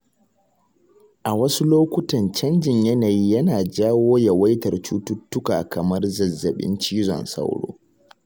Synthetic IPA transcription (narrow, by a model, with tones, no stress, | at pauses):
ʔa˨wɐ˦su˦loː˦kʷʊ˦tɐ˨nt͡ʃɐ˦nd͡ʒɪ˨ɲjɐ˦naː˨jiː˦jɐ˦naː˨d͡ʒaː˦woː˦ja˨wɐ˦jtɐ˨rt͡ʃu˦tʊ˦tːʊ˦ka̰ː˨kɐ˨mɐ˦rzɐ˨zːɐ˨ɓɪ̰˦nt͡ʃiː˦zɔ̰˨nsɐ̰˦wɽo̰ː˦